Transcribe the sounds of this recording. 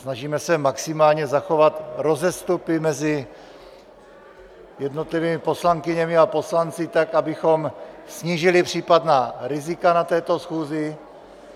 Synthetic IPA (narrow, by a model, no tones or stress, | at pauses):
snaʒiːmɛsɛmaksɪmaːlɲɛzaxo̞vat̪ɾo̞zɛst̪upɪmɛzɪ | jɛdnot̪liviːmɪpo̞slaŋkɪɲɛmɪapo̞slant͡sɪt̪akʔabɪxo̞msɲiːʒɪlɪpr̝̥iːpadnaːɾɪzɪkanat̪ɛːt̪o̞sxuːzɪ